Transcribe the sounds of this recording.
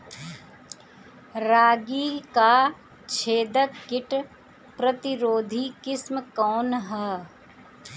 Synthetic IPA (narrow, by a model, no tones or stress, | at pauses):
ɾaːɡikaː | t͡ʃʰeːd̪əkkɪʈ | pɾət̪ɪɾoːd̪ʱikɪsmkɔːnɦɛː